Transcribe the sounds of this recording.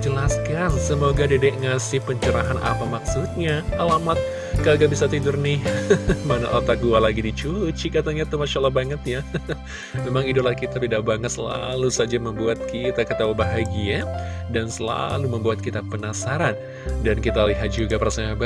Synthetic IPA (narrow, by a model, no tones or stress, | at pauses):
d͡ʒəlaskassəmoɡadedɛʔŋasɪhpəɲt͡ʃəɾaɦanʔa̰pamaksut̪̚ɲaalamat̪̚ | kaaɡaʔbisat̪idʊrnɪ | mana̰ʔalt̪aɡualaɡidit͡ʃut͡ʃikat̪aɲat̪umaʃalahbaŋət̪̚ja | memaŋiduplahkit̪apidaʔbaŋət̪səla̰lusad͡ʒaməmbuat̪̚kʰit̪akət̪awəbaɦaɡiadansəla̰luməmbuat̪̚kit̪apənasaɾan | dankit̪aliɦat̪̚d͡ʒuɡapərsaaba